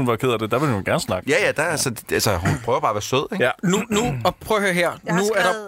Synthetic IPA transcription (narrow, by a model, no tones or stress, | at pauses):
unʋɑ̈kʰeðˠɐd̥e̝d̥æʋe̝lhunɡ̥æɐnə̥snɑ̈ɡ̥jæjæd̥æælsədælsəhunpʰʁœːʊɐbɑ̈ːʋæːɐsøð̰ˠeŋjænunuɒpʰʁœʊhøɐ̰ɦeɐ̰nuæɐɾɑ̈